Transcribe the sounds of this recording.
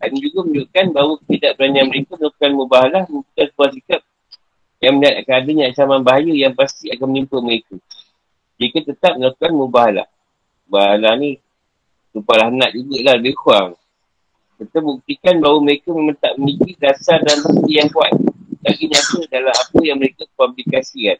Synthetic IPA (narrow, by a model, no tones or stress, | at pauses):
dand͡ʒuɡaməɲuʔkanbawəkət̪idaʔbəɾanianməɾekəməlakukanməbaɦalahmt̪uk̪astuasikap̚ | jaŋməliɦat̪̚akanadaɲaat͡ʃamanbaɦajujaŋpast̪iakanmənimpəməɾekə | d͡ʒikət̪ət̪ap̚məlakukanməbaɦala̰h | baɦalanĩ | t̪upalahnat̪ibuʔ̪lahləbɪhkuaŋ | sət̪əbuk̚t̪ikanbawəməɾekaməmənt̪a̰ʔ̚mənikiɡasadanməst̪ijaŋkuat̪̚laɡiɲãsudalamapəjaŋməɾekəkəpablikasikan